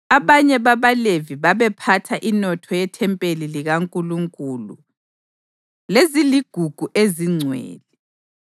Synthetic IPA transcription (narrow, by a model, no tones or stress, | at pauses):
aβaɲɛβaβaleviβaβɛpʰatʰaʔinɔtʰɔjɛtʰɛmpʼeliliɣaŋkʼuluŋkʼulṵ | leziliɡ̥ʱuɡ̥ʱuʔeziŋ͡ǀʱwɛ̰ːlɛ